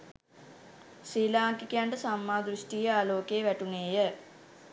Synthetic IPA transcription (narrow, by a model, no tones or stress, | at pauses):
siːlaːŋkikejaɳʈəsamːaːd̪ɾuʃʈijəaːloːkeːʋæʈuneːjə